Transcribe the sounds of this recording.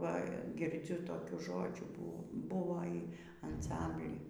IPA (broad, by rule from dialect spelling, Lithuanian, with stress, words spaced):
ˈʋɐ ɡʲɪrʲˈd͡zʲʊ toːˈkʲuː ˈʒoːd͡ʒʲuː buː ˈbʊʋoː iː ɐnˈsɐmʲbʲlʲiː